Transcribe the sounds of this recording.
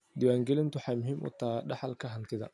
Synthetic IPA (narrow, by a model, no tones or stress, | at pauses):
d̪ɪwaːŋɡɛlɪnt̪ʰʊħɑjmʊɦiːmʔʊ̰t̪ʰaːɖɑħɑlkʰɐɦɐnt̪ʰɪðɐ̰